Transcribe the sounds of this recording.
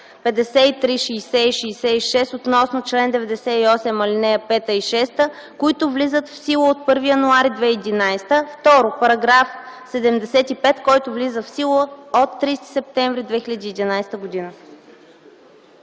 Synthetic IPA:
pɛd̪ɛsɛit̪ɾiʃiːsɛiʃiːsɛiʃɛst̪ot̪nɔsnot͡ʃlɛnd̪ɛvɛd̪ɛsɛiɔsɛmɐlinɛjəpɛt̪əiʃɛst̪ə | kʊit̪ʊvlizət̪fsilˠoot̪̚pɤɾvijɐnuaɾid̪vɛiːd̪inajst̪əft̪ɔɾopɐɾɐɡɾafsɛd̪ɛmd̪ɛsɛt̪ipɛt̪kɔjt̪ʊvlizəfsilˠoot̪ːɾist̪i̥sɛp̚t̪ɛɱvɾid̪vɛxilʲəd̪iːd̪inajst̪əɡod̪inə

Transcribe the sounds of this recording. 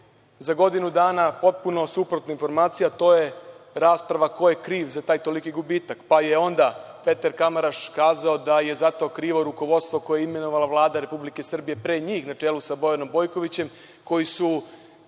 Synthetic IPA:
zaɡo̞d̪inud̪aːnapo̞t̪̚puno̞supɾot̪nainfo̞ɾmaːt̪sijat̪o̞ːje̞ɾaːspɾaʋako̞je̞kɾiːʋzat̪aːjt̪o̞likiɡubiːt̪akpajeo̞nd̪a | pe̞t̪aɾkamaɾaʃkaːzaod̪aje̞zat̪o̞ːkɾiːʋo̞ɾuko̞ʋo̞d̪st̪ʋo̞ko̞jeime̞noʋalaʋlˠaːd̪aɾe̞publike̞sr̩bije̞pɾe̞ːɲiːxnat͡ʂeːlusabo̞jano̞mbo̞jko̞ʋit͡ɕe̞m | ko̞jisu

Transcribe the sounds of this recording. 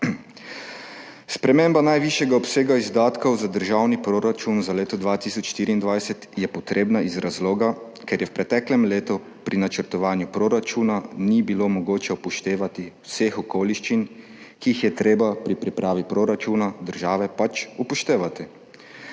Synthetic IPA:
spɾɛmembanajʋiʃjɛɡaɔpseːɡaizd̪aːt̪kowzad̪əɾʒawnipɾoːɾat͡ʃunzaleːt̪ɔd̪ʋaːt̪isɔt͡ʃʃt̪iːɾind̪ʋajsɛt̪jɛpɔt̪ɾeːbnaizɾazloːɡa | kɛɾjɛwpɾɛt̪ɛklɛmleːt̪u | pɾinat͡ʃəɾt̪ɔʋaːnjupɾoɾat͡ʃuːnanibilomoɡoːt͡ʃɛupɔʃt̪eːʋat̪iwsexɔkoːliʃt͡ʃin | kiːxjɛt̪ɾeːbapɾipɾipɾaːʋipɾoɾat͡ʃunad̪əɾʒaːʋɛpat͡ʃupɔʃt̪eːʋat̪i

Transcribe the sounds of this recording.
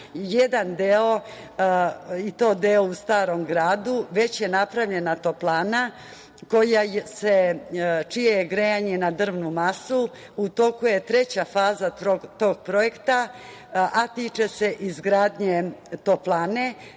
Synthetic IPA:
jed̪and̪eo̞ | it̪o̞ːd̪eoust̪aːɾo̞mɡɾaːd̪uʋe̞t͡ɕje̞napɾaʋʎe̞nat̪o̞plaːna | ko̞jaset͡ʃijejeɡɾejaɲe̞nad̪r̩ʋnumasu | ut̪o̞kuje̞t̪ɾe̞t͡ɕafaːzaot̪oːɡ̥̚pɾo̞je̞kt̪a | at̪it͡ʂese̞ʔizɡɾaːd̪ɲet̪o̞plaːne̞

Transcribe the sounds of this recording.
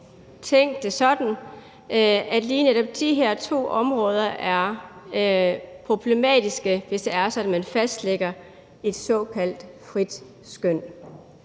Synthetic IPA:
t͡sʰeŋ̰d̥ːe̝sɒ̽d̥n̩ | æd̥liːneɾ̥ɒ̽b̥̚d̥iɦeɐ̰t͡sʰo̝̰ːʔɒ̽mʁɔ̽ːð̞ˠɐʔæɐ | pʰʁo̝b̥le̝mɛ̰ːd̥isɡ̥əʋe̝sd̥eæɐsɒ̽dn̩mænfæsd̥leɡ̥ɐ | e̝d̥sɒ̽ːkʰæl̰d̥fʁid̥ | sɡ̥øn̰

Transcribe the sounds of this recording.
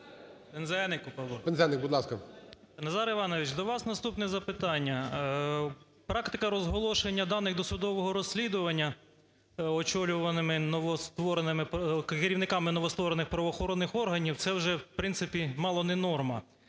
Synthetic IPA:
pɛnzɛnɪkʊpɐlˠpɛnzɛnɪk̚bud̪lˠɑskɐpɐnɐzɑɾɪʋɑnɔʋɪt͡ʃd̪ɔʋɑsnɐst̪upnɛzɐpɪt̪ɑnʲːɐ | pɾɑkt̪ɪkɐɾɔzɦɔlˠɔʃenʲːɐd̪ɑnɪɣd̪ɔsʊd̪ɔʋɔɦɔɾɔsʲːlʲid̪ʊʋɐnʲːɐ | ɔt͡ʃɔlʲʊʋɐnɪmɪnɔʋɔst̪ʋɔɾenɪmɪpkkɪɾʲiʋwnɪkɑmɪnɔʋɔst̪ʋɔɾenɪxpɾɐʋɔxɔɾɔnːɪxɔrɦɐnʲiwt̪sɛwʒɛwpɾɪnsɪpʲimɑlˠɔnɛnɔrmɐ

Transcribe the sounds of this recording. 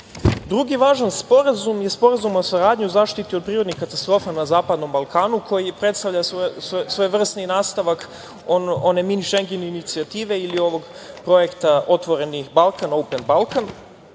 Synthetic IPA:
d̪ɾuɡiʋaːʒanspo̞ɾazumjespo̞ɾazumosaɾaːd̪ɲiuzaːʃt̪it̪iod̪̚pɾiːɾo̞d̪nixkat̪ast̪ɾo̞ːfanazaːpad̪no̞mbalˠkaːnukʰo̞jipɾe̞t̪st̪avʎasossʋo̞jʋr̩sninaːst̪aʋak | ono̞ne̞miniʃeŋɡeneinit̪siat̪iːʋe̞ilio̞ʋo̞ɡpɾo̞je̞kt̪aʔo̞t̪ʋo̞ɾe̞nihbalˠkanowpenbalˠkan

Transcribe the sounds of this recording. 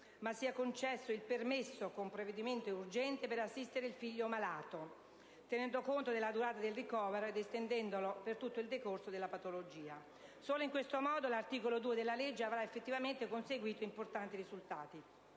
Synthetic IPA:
masːiakont͡ʃɛsːoilpermesːokompɾoved̪iment̪ourd͡ʒɛnt̪epeɾasːist̪eɾeilfiʎːomalaːt̪o | t̪enɛnd̪okont̪od̪elːad̪uɾaːt̪ad̪elrikɔːveɾoed̪est̪end̪ɛnd̪olopert̪ut̪ːoild̪ekorsod̪elːapat̪olod͡ʒiːa | soːloiŋkwest̪omɔːd̪olart̪iːkolod̪uːed̪elːaled͡ʒːeavɾaefːet̪ːivament̪ekonseɡwiːt̪oimport̪ant̪irizult̪aːt̪i

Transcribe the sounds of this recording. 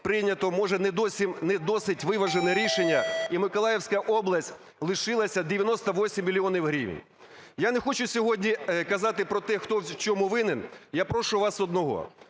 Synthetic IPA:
pɾɪnʲɐt̪ɔmɔʒɛnɛd̪ɔsʲimnɛd̪ɔsɪtʲʋɪʋɐʒenɛɾʲiʃenʲːɐimɪkɔlˠɑjewsʲkɐʔɔblˠɐsʲtʲ | lˠɪʃɪlˠɐsʲɐd̪ʲeʋʲjɐnɔst̪ɐʋɔsʲimʲːilʲiɔnʲiwɦɾʲḭʋnʲ | janexɔt͡ʃʊsʲɔɦɔdʲnʲikɐzɑt̪ɪpɾɔt̪ɛxt̪ɔwt͡ʃɔmuʋɪnɪnjapɾɔʃʊʋɑsɔd̪nɔɦɔ̰

